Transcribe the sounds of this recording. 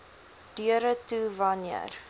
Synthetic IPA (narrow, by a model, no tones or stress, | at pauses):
d̥yəɾətuvɐniə̰r